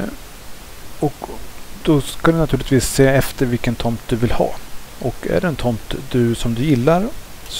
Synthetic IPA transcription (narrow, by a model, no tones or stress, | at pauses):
ɔkd̪ɔskad̪ɵnat̪ʰʉːlɪt̪viːsːeːɛft̪əɾvɪlkənt̪ʰɔmt̪̚d̪ɵvɪlhɑ̰ːɔkːæ̰ɖɛɛnt̪ʰɔmt̪d̪ɵsɔmd̪ɵjɪlːaɾ | s